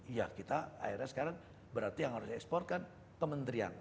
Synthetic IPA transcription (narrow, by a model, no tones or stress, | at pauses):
jakit̪aa̰iɾjasə̥kaɾaŋ | bəɾart̪ijaŋhaɾʊsdiɛkspɔrt̪̚kan | kəmənt̪ɾia̰n